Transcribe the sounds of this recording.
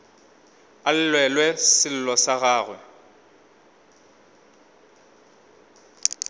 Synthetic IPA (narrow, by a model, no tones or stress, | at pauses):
al̩lwɛlwɛsɪl̩lɔsaɣaːɣwɛ